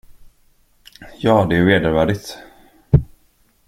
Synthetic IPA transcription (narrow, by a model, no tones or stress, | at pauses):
jɑːd̪ɛːɾveːd̪əɾvæːɖɪt̪